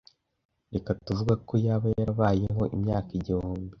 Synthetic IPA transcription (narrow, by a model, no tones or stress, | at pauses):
ɾekatuvuɡakʰo̞jaβajaɾaβaːje̞ɦo̞ʔimɲaːkiɟihuːmbi